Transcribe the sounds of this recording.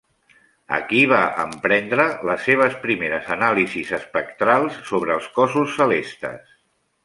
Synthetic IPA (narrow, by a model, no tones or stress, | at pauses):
ə̰kiβaʔə̰mpɾɛnd̪ɾələsːeβ̞əspɾimeɾəzənalizizəspəkt̪ɾalˠsːoβɾəːlˠskɔsusːəlest̪ə̰s